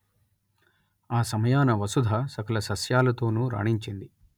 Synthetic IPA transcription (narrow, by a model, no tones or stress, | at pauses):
aːsɐmɐjaːnɐʋɐsud̪ʱasɐkɐlɐsɐsjaːlɐt̪o̞ːnuːɾa̰ːɳiɲt͡ʃind̪i